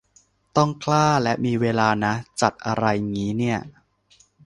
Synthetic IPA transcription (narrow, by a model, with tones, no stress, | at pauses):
t̪ɔ˥˩ŋkʰlaː˥˩lɛ˦˥ʔmiː˧weː˧laː˧na˦˥t͡ɕa˨˩t̪̚ʔa˧ɾa˧jŋiː˦˥ni˥˩ɐ